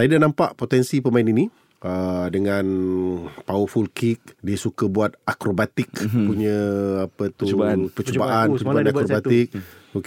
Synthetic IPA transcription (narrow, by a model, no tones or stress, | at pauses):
saidanãmpaʔpot̪ɛnsipəmainini | ədəŋãn | pawəfulkik̚diəsukabuat̪̚akɾobat̪ɪkpuɲãapət̪upət͡ʃəbaʔanpəəbanakɾobat̪ɪk̚ok